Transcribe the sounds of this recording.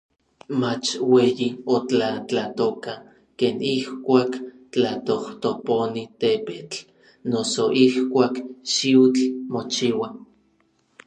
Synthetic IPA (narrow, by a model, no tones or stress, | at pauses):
mat͡ʃweːjiot͡ɬat͡ɬat̪oka | keːnihkʷaːk | t͡ɬat̪oht̪oponit̪epet͡ɬ | nosoʔihkʷaːkʃiwt͡ɬmot͡ʃiwa